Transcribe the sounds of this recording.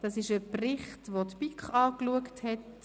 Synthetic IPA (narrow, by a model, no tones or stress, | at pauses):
d̥ɑsɪʃəprɪχtʋotpikχɑːkluəkthɛt